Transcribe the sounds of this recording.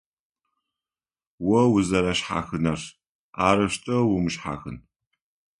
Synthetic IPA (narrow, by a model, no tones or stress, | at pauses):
wɔwʊzɐɾɐɕħa̰ːxɨnɐr | aːɾɨʃtʼɐwʊmɨʃħa̰ːxɨn